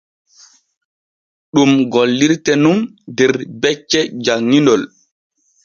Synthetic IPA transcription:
ɗumɡɔlːiɾtɛnum | dɛɾbɛt͡ʃːɛd͡ʒaŋːindɔl

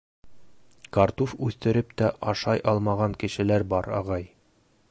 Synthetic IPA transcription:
kaɾt̪ufʉθt̪ɘ̆ɾɘp̚t̪æʔɒʃɑjʔɒlˠmɑʁɑŋkɘ̆ʃɘ̆læɾbɒɾɑ̰ʁɑj

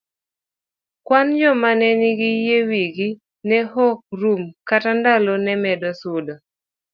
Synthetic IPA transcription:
kwand͡ʒɔmanɛniɡijewiɡi | nɛhɔk̚rumkatandalonɛmɛdɔsʊdɔ

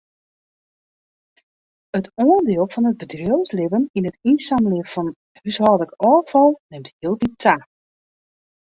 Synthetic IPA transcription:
ətoəndɪːəlˠfɔnət̚bədrjowslɪvəninətinsamlɪəfɔn | ysɦɔdəkɔːfɔlˠnɪmtɦiəlˠditʰa

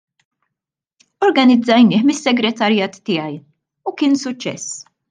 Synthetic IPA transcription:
ɔɾɡɐnɪd͡zɐjnɪːħmɪsːɛɡɾɛt̪ɐɾjɐːt̪ːɪːjɐj | ukɪːnsʊt͡ʃːɛ̰s

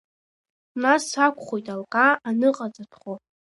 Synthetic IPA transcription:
nasakʷʰχojtʼalkʼaːnɨqʼat͡sʼatʰχo

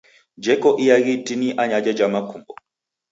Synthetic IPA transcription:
d͡ʒɛkɔʔijaɣitiniʔaɲad͡ʒɛd͡ʒamakumbɔ

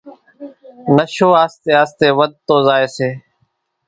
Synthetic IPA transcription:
nəʃoːaːst̪eːaːst̪eːʋəd̪̚t̪oːzaːeːseː

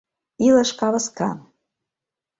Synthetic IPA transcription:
ilaʂkʼavaskʰa

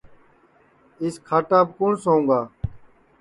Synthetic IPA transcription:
ɪskʰaːʈaːb̚kuɳsõːũːŋɡaː

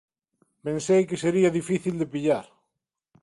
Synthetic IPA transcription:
pẽnsejkeseɾiaðifiθild̪epiʎaɾ

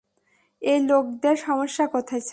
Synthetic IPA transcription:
elok̚d̪eɾʃɔmoʃːakɔt̪ʰat͡ɕʰ

